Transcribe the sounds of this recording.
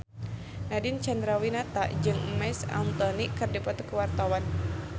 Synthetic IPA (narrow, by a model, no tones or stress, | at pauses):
nadint͡ʃand̪ɾawinat̪a̰d͡ʒɨŋmɛsa̰nt̪ɔnikɨrdipat̪ukəwart̪awan